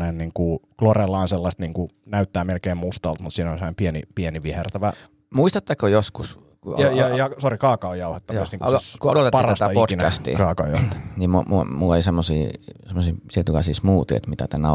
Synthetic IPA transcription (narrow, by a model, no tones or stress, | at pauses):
nenniːŋkuklorelːɑːnselːɑst̪niːŋkunæyt̪ːæːmelkeːmmust̪ɑlt̪mut̪siːnonsemonepienḭpieniʋihert̪æʋæ | muist̪ɑt̪ːækojoskus | kuɑjɑjɑsorikɑːkɑojɑuhet̪ːɑkɑ̰sniːŋkkuolot̪etpɑrɑst̪ɑioinæst̪ḭːkɑːkɑjɑuht̪ːniːmumumulːeisemːosḭːsemːosiːt̪iet̪ukɑsiˑsmuːt̪iḛt̪mit̪æt̪ænæ